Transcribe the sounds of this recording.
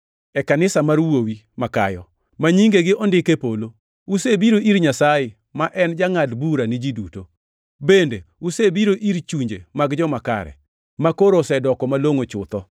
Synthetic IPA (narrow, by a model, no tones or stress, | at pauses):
ɛkanɪsamaɾwowi | maka̰jɔ̰ | maɲiŋɡeɡɪʔɔndɪkepolo | usebiɾoʔiɾɲasajɪ | maʔɛnd͡ʒaŋadbuɾanɪd͡ʒiduto | bendḛusebiɾoʔiɾt͡ʃuɲd͡ʒḛmaɡd͡ʒɔmaka̰ɾɛ̰ | makoɾosɛdɔkɔmaloŋot͡ʃʊt̪ɔ